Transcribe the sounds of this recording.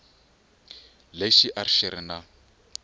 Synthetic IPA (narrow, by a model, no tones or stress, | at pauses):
leʃiʔarʃeɾina